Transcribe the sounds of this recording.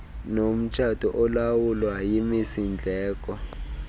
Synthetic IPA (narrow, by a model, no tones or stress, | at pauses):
nom̩t͡ʃʰatɔʔɔlawulwajimisind͡ɮʱɛːk̬ʼɔ